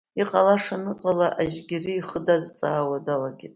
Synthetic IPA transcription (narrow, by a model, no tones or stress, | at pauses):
iqʼalaʂanɨqʼalaʔaʒɡʲɪrɨiχədazt͡sʼaːwadalaɡʲɪtʼ